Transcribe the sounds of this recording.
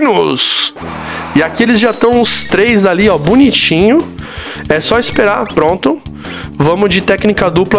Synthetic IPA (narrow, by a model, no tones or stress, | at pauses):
nʊs | ɪakielɪzʒat̪ɐ̃w̃ʊst̪ɾejzaliɔbʊnit͡ʃĩɲʊ | ɛsɔispeɾaɾpɾõnt̪ʊ | vɐ̃mʊd͡ʒɪt̪ɛknikɐd̪uplɐ